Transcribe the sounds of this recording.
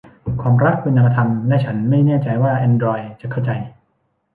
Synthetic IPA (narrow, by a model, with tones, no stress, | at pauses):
kʰwaː˧mɾa˦˥k̚kʰːu˧nʔa˧a˧t̪ʰa˧mdɛː˥˩t͡ɕʰa˦˥nma˥˩jnɛː˥˩t͡ɕa˧jwaː˥˩ʔɛ˧ndɾɔː˧jt͡ɕa˨ʔkʰa˥˩wt͡ɕa˧j